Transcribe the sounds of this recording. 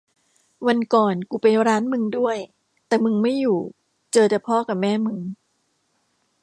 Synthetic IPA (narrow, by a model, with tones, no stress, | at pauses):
wa˧nkɔː˨˩nkuː˨˩pa˧jɾaː˦˥nmɯ˧ŋdu˥˩əj | t̪ɛː˨˩mɯ˧ŋma˥˩jːuː˨˩ | t͡ɕɤː˧t͡ɕa˨˩pʰɔː˥˩ka˨˩p̚mɛː˥˩mɯ˧ŋ